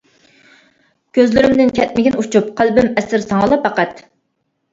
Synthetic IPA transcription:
kʲʰøzlɪɾɪmd̪ɪnkʲʰɛt̪̚mɪɡʲɪnut͡ʃʰup̚qʰælbɪmɛsɪɾsɑŋəlˠɑpːɑqæt̪

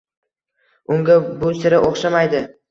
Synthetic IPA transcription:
ʊŋɡʲabʊsɪɾɪʔoχʃamajd̪ɪ

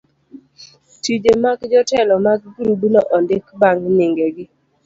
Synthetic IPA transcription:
tid͡ʒemaɡd͡ʒɔtɛlɔmaɡ̚ɡuɾubinoʔɔndɪkbaŋɡnɪŋɡeɡɪ

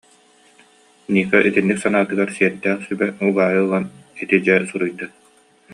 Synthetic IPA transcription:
niːχɛʔit̪inːiksanaːt̪ɯɡaɾsiɛɾd̪æːχsybɛubaːjɯlˠanit̪id͡ʑɛsuɾujd̪a

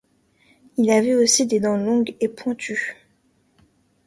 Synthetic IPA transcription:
ilavɛosid̪ed̪ɑ̃lɔ̃ɡepwɛ̃t̪ʰy

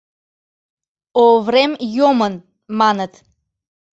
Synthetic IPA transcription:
ovɾɛmjɔmən | manət̪

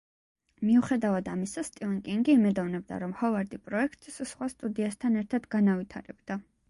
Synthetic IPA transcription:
miuχɛd̪avad̪amisast̪ʼivankʼiŋɡiːmɛd̪ɔvnɛbd̪a̰ɾɔmhɔvaɾd̪ipʼɾɔɛkʰt̪ʼssχwast̪ʼud̪iast̪ʰanɛɾt̪ʰad̪ɡanavit̪ʰa̰ɾɛbd̪̥a

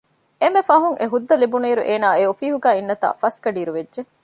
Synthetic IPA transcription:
emefɐɦuŋʔeɦud̪ːɐlibuniːɾuʔeːnaːeofiːɦuɡæːinːɐt̪a̰ːfɐskɐɖiːɾuʋedʒe

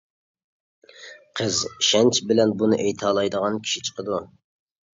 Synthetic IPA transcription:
qʰəzʃɛnt͡ʃʰbɪlɛnbunɨʔejt̪ʰɑːlˠɑjd̪əʁɑnkʲʰi̥ʃit͡ʃʰə̥qʰəd̪u

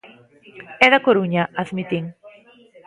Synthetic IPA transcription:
ɛðakoɾuɲaʔaðmit̪iŋ

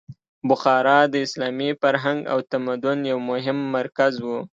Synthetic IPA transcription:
bʊxɑɾɑd̪əɪslɑmifaɾɦaŋɡa̰wt̪amad̪ʊnjawmʊɦɪmːaɾkazwu

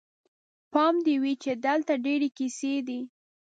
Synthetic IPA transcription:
pɑmd̪iwit͡ʃed̪əlt̪aɖeɾekised̪i

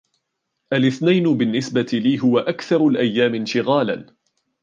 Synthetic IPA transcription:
ʔalʔɪθnajnʊbɪnːɪsbat̪ɪliːɦʊwaʔakθɑɾˤalʔajːaːmɪnʃɪɣaːla̰n

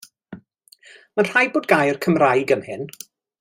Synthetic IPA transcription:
manr̥ajboːdɡajərkʰəmrajɡəmhɪn

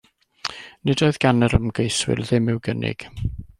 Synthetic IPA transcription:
nɪdoɨðɡ̥anəɾəmɡejswɪ̰lˠðɪmɪwɡənɪ̰ɡ̥

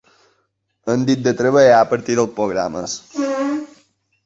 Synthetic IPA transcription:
ənd̪it̪̚d̪ət̪ɾəβəjapəɾt̪iðəlˠpɾoɣɾa̰mə̰s

